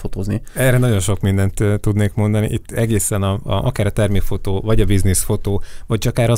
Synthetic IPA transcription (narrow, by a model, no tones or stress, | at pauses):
ot̪oːzniɛrɛnɒɟo̞nʃo̞kmind̪ɛnt̪ːt̪ːud̪neːkmo̞nd̪ɒnḭʔit̪ːɛɡeːsɛnɒʔɒ̰kaːɾɒt̪ɛrmifo̞t̪oːvɒɟɒbiznisfo̞t̪oːvɒc̚t͡ʃɒkaːɾɒ